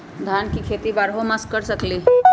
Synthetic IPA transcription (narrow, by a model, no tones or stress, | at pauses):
d̪ʱankikʰet̪ibaɾɦomaskːəɾsəkliː